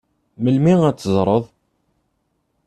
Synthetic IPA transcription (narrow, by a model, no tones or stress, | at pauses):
məlmiŋæt͡sːəzˤɾˤəðˤ